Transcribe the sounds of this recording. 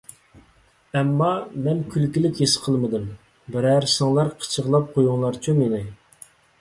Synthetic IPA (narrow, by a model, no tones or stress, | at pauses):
ɛmːɑmɛnkʲʰylkʲilɪkʲjesɨ̥qʰəlˠməd̪ɨm | bɪɾæɾsɨŋlˠɑɾqʰə̥t͡ʃʰəʁlˠɑp̚qʰojuŋlˠɑɾt͡ʃʰumenɪ